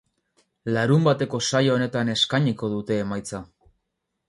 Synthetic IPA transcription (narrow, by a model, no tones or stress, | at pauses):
laɾumbat̪e̞ko̞sajooːne̞t̪ane̞skaɲiko̞ðut̪e̞ːmajt͡sa